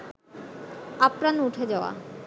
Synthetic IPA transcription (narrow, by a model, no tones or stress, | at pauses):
apɾanuʈʰed͡ʑaoa̰